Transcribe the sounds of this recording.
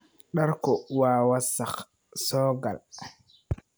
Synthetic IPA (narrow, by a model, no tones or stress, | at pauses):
ɗaɾkɔwaːwasax | sɔːɡa̰l